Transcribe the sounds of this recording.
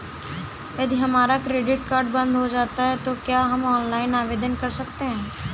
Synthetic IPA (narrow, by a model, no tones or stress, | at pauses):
jɐd̪ʱiɦɐmaːɾakɾeːɖɪʈkaːɾɖbɐ̃nd̪ɦod͡ʒaːt̪aɦɛt̪okjaːɦɐmɔːnlaːɪnaːʋeːd̪ənkɐɾsɐkt̪eɦɛ̃ː